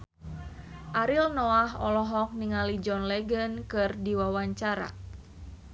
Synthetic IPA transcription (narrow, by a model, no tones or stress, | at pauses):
ʔaɾilnɔaɦɔ̰lɔɦɔk̚niŋalid͡ʒɔnlɛɡənkɨrdiwawaɲt͡ʃaɾa̰